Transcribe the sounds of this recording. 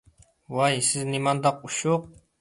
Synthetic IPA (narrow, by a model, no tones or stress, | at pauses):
wɑjsɪznimɑnd̪ɑq̚uʃuq̚